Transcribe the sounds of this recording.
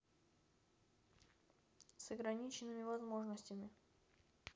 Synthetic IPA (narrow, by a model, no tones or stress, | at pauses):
səɡɾɐnʲit͡ɕɪnːɨmʲɪvɐzmo̞ʐnəsʲtʲɪmʲɪ